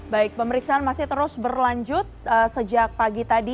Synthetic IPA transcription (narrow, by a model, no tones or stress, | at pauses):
baɪk̚pəməɾiksaanmasɪht̪əɾʊsbərlaɲd͡ʒʊt̪̚əsəd͡ʒak̚paɡit̪adi